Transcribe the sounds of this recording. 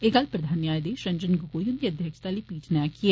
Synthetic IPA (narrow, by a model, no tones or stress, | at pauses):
eɡəlpɾəd̪ʱaːnjaːjd̪eːʃə̃ɲd͡ʒənɡʊkoːjʊnd̪iəd̪ʱjəkʃt̪aːlipiːt͡ʃnɛːkɪɛ